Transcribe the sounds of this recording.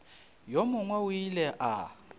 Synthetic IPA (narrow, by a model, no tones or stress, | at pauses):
jɔmʊŋwawilɛʔa